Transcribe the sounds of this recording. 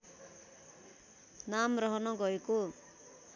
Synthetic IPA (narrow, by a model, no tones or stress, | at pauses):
namrʌɦʌnʌɡʌeko